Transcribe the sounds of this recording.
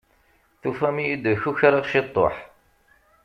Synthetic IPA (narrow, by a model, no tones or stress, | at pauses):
θufæmijid̪çuçɾˤɑʁʃit̪ˤːo̰ħ